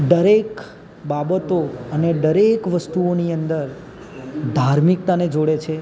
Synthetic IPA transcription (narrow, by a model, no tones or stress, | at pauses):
ɖ̪əɾek | babət̪oəneɖ̪əɾekʋəst̪uoniənd̪əɾ | d̪ʱaɾmik̚t̪aned͡ʒoɽet͡ʃʰe